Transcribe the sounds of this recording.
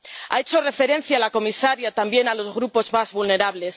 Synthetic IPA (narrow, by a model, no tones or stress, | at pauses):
a̰e̞t͡ʃo̞re̞fe̞ɾẽ̞n̟θjaːlako̞misaɾjat̪ambje̞nalo̞zɣɾupo̞zmazβulne̞ɾaβle̞s